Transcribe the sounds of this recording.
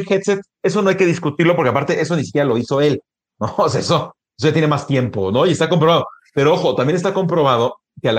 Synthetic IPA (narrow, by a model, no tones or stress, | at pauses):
xet̪set̪̚ | e̞so̞no̞ajke̞ð̞iskut̪iɾlo̞p̬oɾkeapaɾt̪eʔe̞s̬o̞nisi̥kʲjeɾalo̞iso̞e̞l | noːseaeso̞ | esoʝat̪jenemast̪je̞mpo̞no̞iest̪ako̞mpɾoβaðope̞ɾooxo̞t̪ambje̞nes̬t̪ako̞mpɾo̞β̞aðo | ke̞al